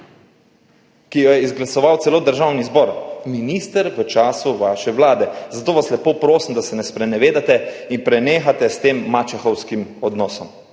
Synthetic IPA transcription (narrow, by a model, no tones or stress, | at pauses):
kijɔjɛizɡlasɔʋaw̪sɛloːd̪əɾʒawnizbɔːɾminiːst̪əɾʋət͡ʃaːsuʋaːʃɛʋlaːd̪ɛzat̪oːʋaslɛpoːpɾoːsmd̪asɛnɛspɾɛnɛʋeːd̪at̪ɛinpɾɛneːxat̪ɛst̪eːmːat͡ʃaxɔwskimɔd̪nɔːsɔm